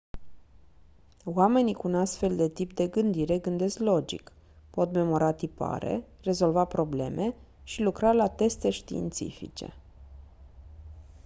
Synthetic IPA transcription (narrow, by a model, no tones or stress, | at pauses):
wame̞nikuunast̪fe̞ld̪e̞t̪ipd̪e̞ɡɨnd̪iɾe̞ɡɨnd̪e̞sklo̞d͡ʒḭk | po̞t̪me̞mo̞ɾat̪ipa̰ɾe̞̰ | re̞zo̞lvapɾo̞ble̞mʔe̞ | ʃilukɾalat̪e̞st̪e̞ʃt̪ḭːnt̪sḭfḭt͡ʃe̞̰